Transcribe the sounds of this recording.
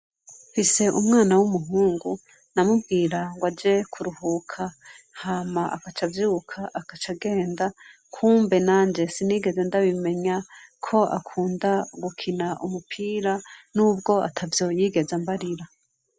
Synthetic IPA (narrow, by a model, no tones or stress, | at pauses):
fise̞ʔumŋaːnawumuɦuːŋɡu | namubɡiːɾaŋɡwad͡ʒe̞kʰuɾuhuːkʰa | hamaʔa̰kat͡ʃavjuːkʰaʔakat͡ʃaɡe̞ːnda | kʰuːmbe̞naːnd͡ʒesiniːɡe̞ze̞ndaβime̞ɲakʰo̞ʔa̰kʰuːndaɡukʰinaʔumupʰiːɾanuːbɡo̞a̰tʰavjo̞ːjiːɡe̞zambaɾiɾa